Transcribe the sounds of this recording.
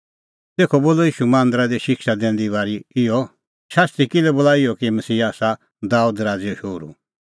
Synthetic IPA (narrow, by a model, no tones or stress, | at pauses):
t̪eːkʰɔboːlɔjiːʃumãːnd̪ɾad̪iʃɪkʃad̪ɛ̃ːn̆d̪iβaːɾiɪjɔ | ʃaːst̪ɾikɪlɛbolaːɪɔkimɐsiːaːsa | d̪aːuːd̪ɾaːd͡ziɔʃoːɾṵ